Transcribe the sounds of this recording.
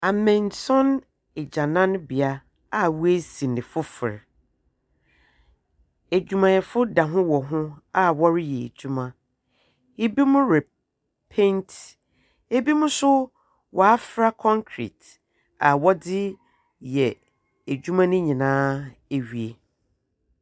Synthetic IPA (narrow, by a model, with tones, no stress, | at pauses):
a˨mɛ̃˨nsɔ̃˦n | ɛ˨d͡ʑã˨nã˦n˦bi˨a˦ | a˨wu˦e˦sĩ˨nɪ̃˨fʊ˦fɪ˨ɾ | æ˨d͡ʑᶣu˨mã˨jɛ˨fʊ˦da˨ɦʊ̃˦wɔ˨ɦʊ̃˦a˨wɔ˦ɾɪ˦jɛ̰˨d͡ʑᶣu˦mã˨ | e˦bi˦mʊ̃˦ɾɛ˨ | pʰɛ̃˦ntʰ | e˦bi˦mʊ̃˦sʊ˦ | wʔɔ˨a˦fɾa˦kʰɔ̃˦ŋkʰɾḭ˨t | a˨wɔ˦dɪ˦ | jɛ˨ | æ˨d͡ʑᶣu˦mã˦nʊ̃˦ɲĩ˨nãː˦e˨ɥi˨e˨